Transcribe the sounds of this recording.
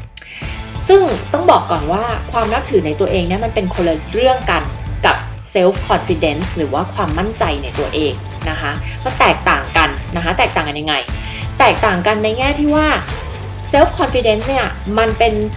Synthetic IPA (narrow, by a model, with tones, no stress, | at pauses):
sɯ˥˩ŋt̪ɔ˥˩ŋbɔː˨˩kːɔː˨˩nwaː˥˩kʰwaː˧mna˦˥p̚t̪ʰɯː˩˦na˧jt̪u˧ɐʔeː˧ŋni˥˩ɐma˧npe˧nkʰo˧la˧ɾɯ˥˩əŋka˧nka˨˩p̚ | se˦˥wfkʰɔː˧nfi˧de˦˥nsɾɯː˩˦waː˥˩kʰwaː˧mːa˥˩nt͡ɕa˧jna˧jt̪u˧ɐʔeː˧ŋ | na˦˥kʰa˦˥mɔ˧˥˩t̪ɛː˨˩k̚t̪aː˨˩ŋka˧nna˦˥kʰa˦˥t̪ɛː˨˩k̚t̪aː˨˩ŋka˧nja˧ŋa˧j | t̪ɛː˨˩k̚t̪aː˨˩ŋka˧nːa˧jŋɛː˥˩t̪ʰiː˥˩waː˥˩ | se˦˥f̚kʰɔ˧nfi˧de˦˥nsni˥˩ɐma˧npe˧n